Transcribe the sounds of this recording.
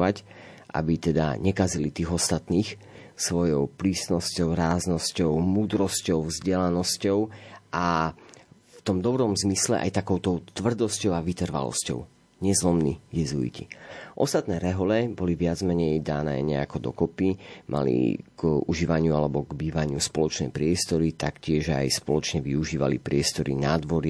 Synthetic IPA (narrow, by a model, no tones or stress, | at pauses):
ac | ʔa̰bit̪ɛd̪a̰ɲɛkazilit̪iːɣɔst̪at̪niːx | sʋɔjɔʊpɾiːst̪nɔscɔʊɾaːznɔscɔʊmuːd̪ɾɔscɔʊvzɟɛlanɔscɔʊʔa | ft̪ɔmd̪ɔbɾɔmzmislɛ̰ʔa̰jt̪akɔʊt̪ɔʊt̪ʋr̩d̪ɔscɔʊaʋit̪r̩ʋa̰lɔ̰scɔ̰ʊ | ɲɛzlɔmnijɛzuḭciʔɔst̪at̪nɛːɾɛɦɔlɛbɔliʋɪad͡zmɛɲɛjd̪aːnɛ̰ːɲɛa̰kɔd̪ɔ̰kɔpimʔa̰lḭɡ̥uʒiːʋaɲɪualɛbɔɡbiːʋaɲɪuspɔlɔt͡ʃnɛ̰jpɾɪɛst̪ɔɾit̪akcɪɛʒa̰jspɔlɔt͡ʃɲɛʋiuʒiːʋa̰lipɾɪɛst̪ɔɾḭnaːd̪ʋɔɾi